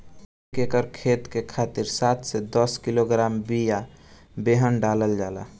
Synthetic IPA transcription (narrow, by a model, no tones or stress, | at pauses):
kekəɾkʰet̪kekʰat̪iɾsat̪sed̪əskiloɡɾambija | beɦənɖaləld͡ʒala̰